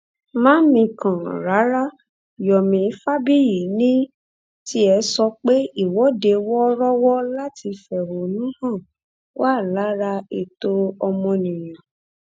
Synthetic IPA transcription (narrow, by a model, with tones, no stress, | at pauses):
mãː˦mĩ˧kã˨ɾa˨˦ɾa˦˨ | jɔ˨mĩ˨˦fa˦bi˦ji˨nĩ˦ | ti˦ɛ˧˦sɔ˧k͡pe˦i˦˨wɔ˨˦de˧wɔ˦ɾɔ˦wɔ˦la˦ti˧fɛ˨ɾo˨˦nũ˦hã˦˨ | waː˦˨la˨˦ɾa˧e˦˨to˧ɔ˧mɔ̃˧nĩ˨j̃ã˨